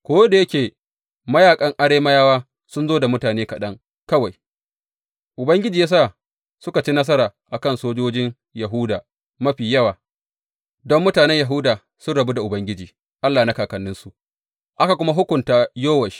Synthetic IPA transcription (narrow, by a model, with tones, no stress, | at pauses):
kʷoː˦da˨jɐ˦kʲeː˨ | mɐ˦jaː˨kʼɐ˦ŋʔa˦ɽeː˦ma˦jaː˦waː˦ | sʊ˦nzoː˦da˨mʊ˦taː˨neː˦kɐ˨ɗɐ˦ŋ | kɐ˦wa˨j | ʔʊ˨bɐ˦ŋɡʲɪ˦d͡ʒiː˨jaː˦saː˦˨ | sʊ˦ka˨t͡ʃi˦nɐ˦s̬ɐ˦ɾaː˨ʔa˨kɐ˦nsoː˦d͡ʒoː˦d͡ʒɪ˦ŋ | jɐ˨ɦu˦daː˨ | mɐ˦ɸiː˨jɐ˦waː˨ | dɔ˦mːʊ˦taː˨nɛ˦ɲja˨ɦʊ˦daː˨ | sʊ˦nɽɐ˨bu˦da˨ʔʊ˨bɐ˦ŋɡʲɪ˦d͡ʒiː˨ | ʔa˦lːaː˨na˦kaː˨kɐ˨nːɪ˦nsu˦ʔ | ʔa˦ka˨kʷʊ˦ma˦ɦʊ˦kʷʊ˨ntaː˦joː˦wɐ˨ʃi̥˦